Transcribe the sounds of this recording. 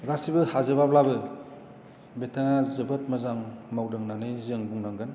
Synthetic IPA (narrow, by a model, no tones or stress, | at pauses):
ɡasibɯhazɯbablabɯ | betʰaŋazɯbɯt̚mɯzaŋmawdɯŋnanɯjzɯŋbuŋnaŋɡɯn